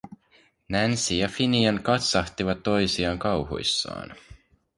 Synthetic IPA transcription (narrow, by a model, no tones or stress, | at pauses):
nænsijɑfiniɑnkɑt̪sɑht̪iʋɑt̪ːo̞jsiɑːŋkɑwɦo̰jsːɑ̰ːn